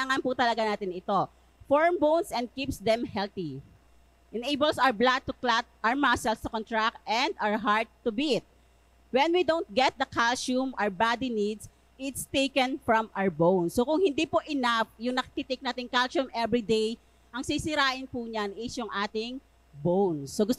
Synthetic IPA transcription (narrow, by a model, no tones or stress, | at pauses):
aŋɐnpʊt̪ɐlɐɡanaːt̪ɪnɪt̪o̞ | foɹmbownsɛ̃nd̪̚kipsd̪ɛmhɛlt̪i | ʔɛnejbəlsaɹblad̪̚t̪ʊklat̪̚ʔamasɛlst̪ʊkɔ̃nt̪ɹak̚t̪ɛnd̪awɹɦaɹt̪ːʊbit̪̚ | wɛnwid̪õwnt̪̚ɡɛt̪̚d̪ɐkalʃumɐɹbad̪inid̪s | ɪt̪st̪ejkɛ̃nfɹɐmaɹbownsːokʊŋhɪnd̪ipoʔɪnafjʊŋnɐkit̪it̪ek̚naːt̪ɪŋkalt͡ʃʊmɛbɹid̪ej | ʔɐŋsisɪɾaːʔɪnpuːɲanʔɪʃoŋʔaːt̪ɪŋ | bownsːoɡʊst̪